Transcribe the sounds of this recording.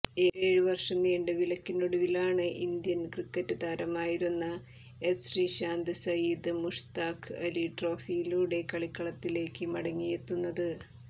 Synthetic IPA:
e̞ːɾeːɻuʋɐrʂɐnːiːɳɖɨʋilɐkːinːoɽuʋilaːɳɨʔind̪jɐnɡrikːɐtːɨd̪aːɾɐmaːjiɾunːɐ | esriɕaːnd̪ɨsɐjiːd̪ɨmuʂt̪aːkɨɐliʈro̞ːfijiluːɽe̞kːɐɭikːɐɭɐt̪ːile̞ːkːɨmɐɽɐŋːijet̪ːunːɐðɨ

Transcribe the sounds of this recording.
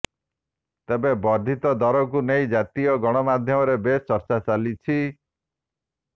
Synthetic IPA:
t̪ebebɔɾd̪ʱit̪ɔd̪ɔɾɔk̬unejd͡ʒat̪ijɔɡɔɽ̃ɔmad̪ʱjɔmɔɾebest͡ʃɔɾt͡ʃat͡ʃalit͡ʃʰi

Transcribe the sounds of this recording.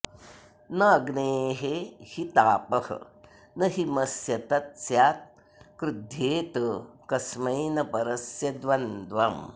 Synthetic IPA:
nɐːɡneːɦehit̪aːpɐhɐ̰ | nɐɦimɐsjɐt̪ɐt̪sjaːt̪̚ | kɾud̪ʱjeːt̪əkɐsmɐjnɐpɐɾɐsjɐd̪ʋɐnd̪ʋɐm

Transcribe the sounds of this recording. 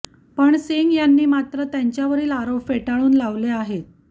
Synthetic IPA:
pəɳseŋɡjanːiːmat̪ɾət̪jaɲt͡ɕjaʋəɾiːlaɾofeʈaɭuːnlaʋleaɦet̪̚

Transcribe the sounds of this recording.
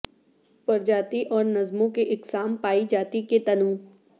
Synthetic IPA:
pɐɾd͡ʒaːt̪iʔɔːɾnɐzmõkeʔɪksaːmpaːid͡ʒaːt̪iket̪ɐnũː

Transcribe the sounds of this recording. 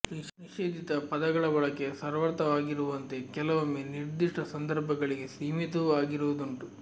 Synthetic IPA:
niʂeːd̪ʱit̪ɐpɐd̪ɐɡɐɭɐbɐɭɐkːesɐɾʋɐɾt̪ɐʋaːɡiɾuʋɐnt̪e̞kɛlɐʋɐmːeniɾd̪iʂʈɐsɐnd̪ɐɾbʱɐɡɐɭiɡe̞siːmit̪uaːɡiɾuʋud̪uɳʈu

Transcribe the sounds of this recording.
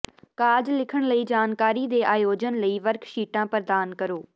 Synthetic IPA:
kaːd͡ʒlɪkʰəɽ̃ləiːd͡ʒaːnkaːɾiːd̪eːʔaːjoːd͡ʒənləiːʋəɾkʰʃiːʈãːpəɾd̪aːnkəɾoː

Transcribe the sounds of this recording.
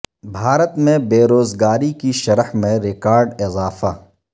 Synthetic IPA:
bʱaːɾət̪mẽbeːɾoːzɡaːɾikiʃɐɾhmẽɾɪkaːɾɖɪzaːfa

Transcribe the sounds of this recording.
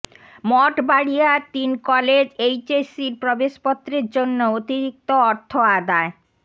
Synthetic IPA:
mɔʈbaɽiaɾt̪inkɔled͡ʑejt͡ɕesiɾpɾobeʃpɔt̪ːɾeɾd͡ʑonːoot̪iɾik̚t̪oɔɾt̪ʰoad̪ae

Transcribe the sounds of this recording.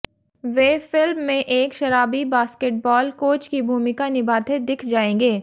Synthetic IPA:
ʋeːfɪlmːẽʔeːkʃɐɾaːbibaːskeʈ̚bɔːlkoːt͡ʃkibʱuːmɪkanɪbʱaːt̪ʰed̪ɪkʰd͡ʒaːẽːŋɡeː

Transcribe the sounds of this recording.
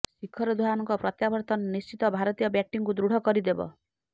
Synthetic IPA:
sikʰːɔɾɔd̪ʱwaanɔŋkɔpɾɔt̪jabɔɾt̪ɔnnist͡ʃit̪ɔbʱaɾɔt̪ijɔbjaʈːiŋkud̪ɾuɽ̤ʱɔkɔɾid̪ebɔ̰

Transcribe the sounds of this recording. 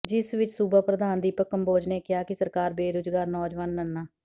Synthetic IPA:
d͡ʒɪsʋɪt͡ʃsuːbapɾəd̪aːnd̪iːpəkːəmboːd͡ʒneːkɪɦaːkɪsəɾkaːɾbeːɾʊd͡ʒɡaːɾnɔːd͡ʒʋaːnːənːaː

